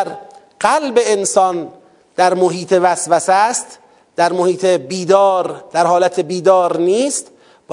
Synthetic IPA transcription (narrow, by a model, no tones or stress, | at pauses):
ɾ | ɢ̥ælbe̞ensɒːn | d̪̥æɾmoɦiːt̪ʰevæsvæsæst̪ | d̪̥æɾmohiːt̪ʰebiːd̪ɒːɾd̪̥æɾhɒːlæt̪ʰebiːd̪ɒːɾniːst̪ | b